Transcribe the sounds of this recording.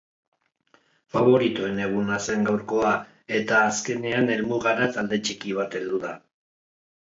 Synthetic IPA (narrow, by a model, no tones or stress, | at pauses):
faβ̞o̞ɾit̪ue̞ne̞ɣ̞unase̞ŋɡawɾko̞a | e̞t̪aːske̞ne̞ane̞lmuɣaɾat̪ald̪e̞t͡ʃikiβ̞at̪e̞ld̪uða